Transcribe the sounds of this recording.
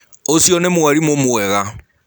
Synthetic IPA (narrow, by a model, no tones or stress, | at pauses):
osjɔnemwaɾimomwɛɣa